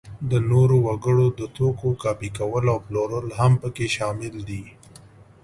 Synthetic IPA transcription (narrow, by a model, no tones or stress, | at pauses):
d̪ənoɾowaɡəɽod̪ət̪okokɑpikawəlawploɾəlɦampəkeʃɑmɪld̪i